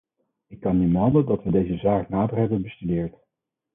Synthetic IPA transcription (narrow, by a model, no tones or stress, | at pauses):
ɪkːɑnːibəɦɑndəlˠdɑtʋədejzəzaːknaːdərɦɛbənbəstydɪːɹt